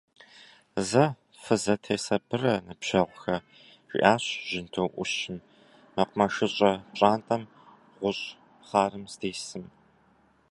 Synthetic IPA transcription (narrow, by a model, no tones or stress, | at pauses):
zɐ | fɨzɐtʰeːsɐbɨrɐnɨpʃɐʁʷxɐ | ʒʷḭʔaːɕʒ̥ɪntʰowʔʷʊʃɪn | mɐqʷmɐʃɨɕʼɐpɕʼaːntʼɐm | ʁʷʊɕʼ | χɑːɾɨmsteːsɨm